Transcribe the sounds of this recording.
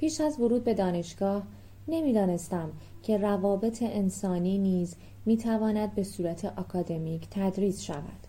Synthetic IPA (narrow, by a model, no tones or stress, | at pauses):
pʰiːʃæzvoɾuːd̪̚be̞d̪ɒːne̞ʃɡ̥ɒːh | ne̞miːd̪ɒːne̞st̪æmcʰe̞rævɒːbe̞t̪ʰe̞ʔensɒːniːniːz | miːt̪ʰævɒːnæd̪̚be̞suːɾæt̪ʰe̞ʔɒkʰɒːd̪e̞miːcʰt̪ʰæd̪ɾiːsʃæ̰væ̰d̪̥